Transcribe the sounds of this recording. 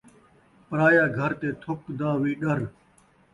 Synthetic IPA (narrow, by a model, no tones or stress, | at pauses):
pəɾaːjaːɡʱəɾt̪eːt̪ʰʊkd̪aːʋiːɗəɾ